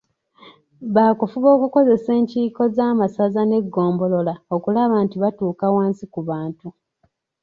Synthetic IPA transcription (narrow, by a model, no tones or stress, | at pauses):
βaːkufuβo̞ːkuko̞ze̞se̞ːɲciːko̞zaːmasazane̞ɡːo̞ːmbo̞lo̞laokulaβantiβatuːkawaːnsikuβaːntu